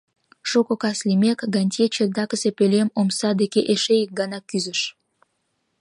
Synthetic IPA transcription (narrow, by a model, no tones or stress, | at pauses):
ʃukokɑslimekɡɑnʲtʲet͡ɕed̪ɑkəzepelʲemomsɑd̪ekeʔeʃejək̚ɡɑnɑkyzəʃ